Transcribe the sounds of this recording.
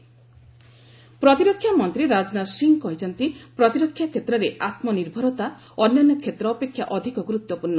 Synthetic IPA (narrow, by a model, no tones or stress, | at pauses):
pɾɔt̪iɾɔkʰjamɔnt̪ɾiɾad͡ʒnasiŋkɔɦit͡ʃɔnt̪ipɾɔt̪iɾɔkʰːjakʰːet̪ɾɔɾeʔat̪mɔniɾbʱɔɾɔt̪a | ɔnːjanːɔkʰet̪ɾɔːpekʰːjaʔɔd̪ʱikɔɡɾut̪ːɔpunːɔ